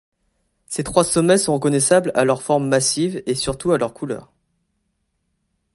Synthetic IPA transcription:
set̪χwasɔmɛsɔ̃ʁəkɔnɛsabla̰lœʁfɔʁmːasivesyʁt̪ualœʁkʰulœ̰ːʁ

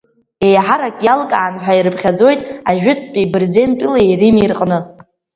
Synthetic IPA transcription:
e̞jħaɾakʼjalkʼaːnħʷᶣaiɾɨpʰχʲad͡zo̞jtʼaʒᶣʏtʼpʼibrze̞npʼileerimirqʼnɨ

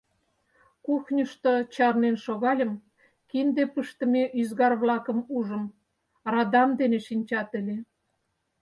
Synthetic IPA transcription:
kuxnʲəʃt̪ot͡ɕɑrnenʃoɣɑlʲəm | kind̪epəʃt̪əmeʔyzɣɑrβlɑkə̆muʒə̆m | rɑd̪ɑmd̪eneʃinʲt͡ɕɑt̪əlʲe

